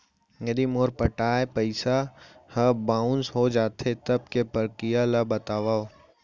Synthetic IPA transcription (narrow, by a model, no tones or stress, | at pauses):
ŋəd̪imoːɾpəʈaːepəɪsahəbãːʊ̃nsɦod͡ʒaːt̪ʰet̪ɐb̚kepəɾkijalabɐt̪aːʋaːo